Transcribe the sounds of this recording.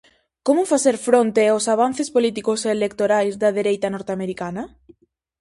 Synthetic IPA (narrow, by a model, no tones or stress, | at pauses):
komʊfaseɾfɾõnt̪eawsaβ̞an̟θespolit̪ikoseːlek̚t̪oɾajzðɐðeɾejt̪ɐnoɾt̪eameɾikanɐ